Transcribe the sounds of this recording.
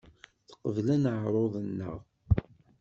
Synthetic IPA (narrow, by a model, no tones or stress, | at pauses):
θqːəvlænəʕɾˤoðˤənːə̰ʁ